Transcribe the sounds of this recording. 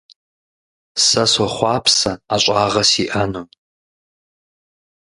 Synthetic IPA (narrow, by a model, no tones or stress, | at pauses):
sɐsɔχʷɑːpʰsɐaɕʷʼaːʁɐsiʔɐnum